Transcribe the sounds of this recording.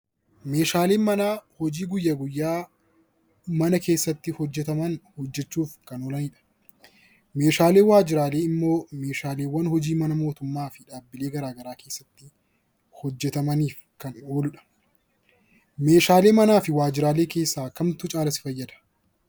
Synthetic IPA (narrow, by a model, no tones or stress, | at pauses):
me̞ːʃaːle̞ːnmɐnaːhɔd͡ʒiːɡʊjːaːɡʊjːaː | mɐnɐke̞ːsːɐt̪ːɪhɔd͡ʒːɛt̪ɐmɐnhɔd͡ʒːɛt͡ʃːuːfkɐnɔːlɐniːᶑɐ̥ | meːʃaːleːwaːd͡ʒɪɾaːle̞ːɪmːo̞ːme̞ːʃaːleːwːɐnhɔd͡ʒiːmɐnɐmo̞ːt̪ʊmːaːfɪᶑaːbːɪleːɡɐɾaːɡɐɾaːke̞ːsːɐt̪ːɪ | hɔd͡ʒːɛt̪ɐmɐniːf | kɐno̞ːlʊᶑɐ̥ | me̞ːʃaːle̞ːmɐnaːfɪwaːd͡ʒɪɾaːleːke̞ːsːaːkɐmt̪ʊt͡ʃʼaːlɐsɪ̥fɐjːɐd̪ɐ̥